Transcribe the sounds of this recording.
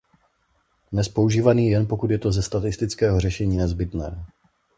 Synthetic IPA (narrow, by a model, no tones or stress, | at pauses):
dnɛspo̞uʒiːvaniːjɛnpo̞kut̪jɛt̪o̞zɛst̪at̪ɪst̪ɪt͡skɛːɦor̝ɛʃɛɲiːnɛzbɪt̪nɛː